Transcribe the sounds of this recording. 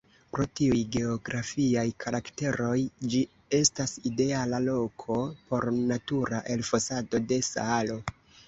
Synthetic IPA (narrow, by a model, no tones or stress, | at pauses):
pɾo̞tiujɡe̞oɡɾafiajkʰaɾakte̞ɾo̞jd͡ʒi | e̞staside̞alalo̞kʰo̞po̞ɾnatuɾaʔe̞lfosado̞de̞sa̰ːlo̞